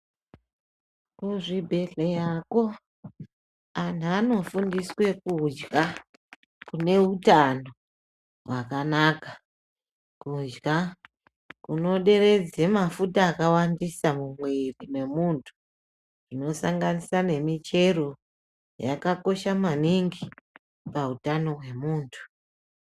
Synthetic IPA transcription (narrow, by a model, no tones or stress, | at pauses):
kuʐibʱe̞ɮejako̞ | an̤uano̞fundiswe̞kud͡ʒɡa | kune̞utano̞ | wakanaka | kud͡ʒɡa | kuno̞ɗe̞re̞d͡ze̞mafutaːkawandisamumwerimwe̞muntʰu̥ | ʐino̞saŋɡanisane̞mit͡ʃe̞ɾo̞ | ja̰kako̞ʃamaniŋɡi | pautano̞ɦwe̞muːntʰu̥